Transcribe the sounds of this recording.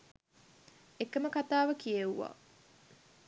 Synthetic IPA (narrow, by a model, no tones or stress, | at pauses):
ekəməkat̪aːʋəkijeuʋa̰ː